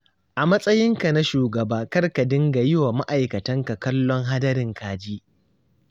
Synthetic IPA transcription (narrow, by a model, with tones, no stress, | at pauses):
ʔa˨mɐ˦sʼɐ˦jɪ˦ŋka˨na˦ʃuː˨ɡɐ˨baː˦kɐ˦rka˨dɪ˦ŋɡa˨jɪ˦waː˨ma˦ʔa˨jkɐ˨tɐ˦ŋka˨kɐ˦lːɔ˦ŋɦa˦dɐ˦ɾɪ˨ŋkʰaː˨d͡ʒiː˦ʔ